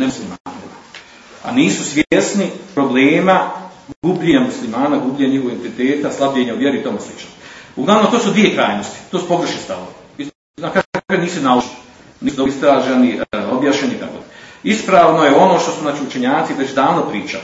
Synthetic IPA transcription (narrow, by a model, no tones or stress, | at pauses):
neuslimaːn | a̰niːsusʋʲjesnipɾo̞bleːma | ɡubʎeɲamuslimaːnaɡubʎeɲaɲihooe̞nt̪it̪e̞ːt̪aslˠabʎeɲauʋjeɾit̪omeslit͡ʃnosuɡlˠaʋno̞mt̪o̞ːsud̪ʋijekɾaːjnost̪i̥t̪oːsu̥po̞ɡr̩ʃnist̪aʋo̰ʋii | nakakakaniːsunaloʃni | niːsud̪oist̪ɾaːʒenio̞bjaːʃɲeniit̪a̰ko̰ːjeispɾaːʋno̞jeo̞no̞ːʃt̪o̞suznaːt͡ʃiut͡ʃe̞ɲaːt̪siʋet͡ɕd̪aːʋnopɾiːt͡ʃa̰